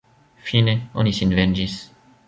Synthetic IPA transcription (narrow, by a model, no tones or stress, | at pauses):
fineonisinvend͡ʒis